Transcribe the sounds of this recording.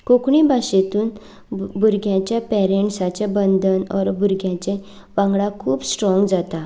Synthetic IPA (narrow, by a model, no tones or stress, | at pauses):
kokɳibʱaɕet̪uːn | bʱuɾɡʱjãt͡ɕjapɛɾeɳʈsat͡ɕabənd̪ənɔ̰ɾbʱuɾɡʱjãt͡ɕẽ | ʋãŋɡɽãkʰuːpsʈɾɔ̃ŋɡd͡zat̪a